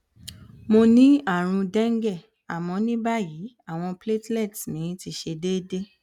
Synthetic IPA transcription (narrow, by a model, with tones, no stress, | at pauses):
mo˧nĩ˦a˦˨ɾ̃ũ˧dɛ˦ŋ̩˦ɡɛ˦˨ | a˨mɔ̃˧nĩ˦ba˦ji˨˦ | a˦˨w̃ɔ̃˧ple˦tlɛ˦˨tnĩ˨˦ti˧˦ʃe˧de˦de˦